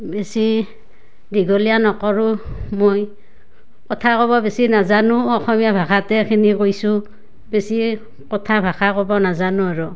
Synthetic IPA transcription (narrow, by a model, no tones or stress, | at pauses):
besi | diɡɔlijanɔkɔɹumoj | kɔtʰakɔβɔbesinazanʊɔxɔmijabʱakatɛkʰinikojsʊ | besi | kɔtʰabʱakʰakɔbɔnazanuaɹu